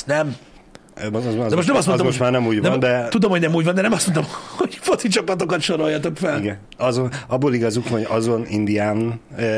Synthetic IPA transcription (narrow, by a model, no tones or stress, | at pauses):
nɛm | zɛmoʃt̪nɛmɒst̪moomoʃmaːrnɛmuːɟvnɛɒnd̪ɛt̪ud̪omhoɟnɛmuːɟvɒnd̪ɛnɛmɒst̪mo̞nt̪omhoɟfot̪sit͡ʃɒpɒt̪o̞kɒt̪ʃoɾo̞jɒt̪okfɛliɡɛn | ɒzonɒbːoːliɡɒzukhoɟɒzo̞nind̪iaːnn